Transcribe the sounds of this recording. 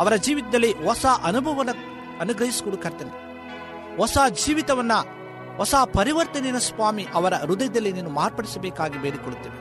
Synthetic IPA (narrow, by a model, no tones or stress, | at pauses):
ɐʋɐɾɐd͡ʒiːʋit̪ɐd̪ɐlːiɦɔsaːʔɐnubʱɐʋɐnɐ | ɐnuɡɾɐɦisu̥koɽukɐɾt̪ɐn | ʋɔsaːd͡ʒiːʋit̪ɐʋɐnːɐ | ɦɔsaːpɐɾiʋɐɾt̪ɐnɛnɐsʋaːmiʔɐʋɐɾɐɾud̪ɐjɐd̪ɐlːineːnumaːɾpɐɽisɐbɛːkaːɡibeːɾikɔɽut̪ːeːʋi